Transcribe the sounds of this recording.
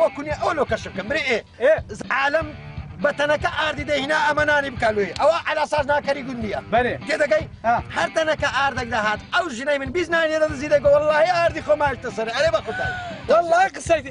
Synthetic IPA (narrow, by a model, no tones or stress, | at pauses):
wɐkuneʔɐwɐloːkɐʃb̚kɐmbɨɾeʔe | ezʕaːlɐm | bɐt̪ɐnɐkɐʔaːɾd̪iːd̪ehinaːɐmɐnaːnibɨkaːloːjeʔɐwɐʕalaːsaːznaːkɐɾiːɡʊnd̪ijɐbɐlek̪ed̪ɐɡɐj | hɐɾt̪ɐnɐkɐʔaːɾd̪ɐk̚d̪aɦaːt̪ɐwʒɨnɐjmɨnbiːznaːnileːd̪ɐd̪ɨziːd̪ɐjɡowɑlˠːaːhiaːɾd̪iːxoːmaːjiʃt̪ɐsɐɾeɐɾebɐxot̪a̰ːnewɐlːaːiqɨsɐjt̪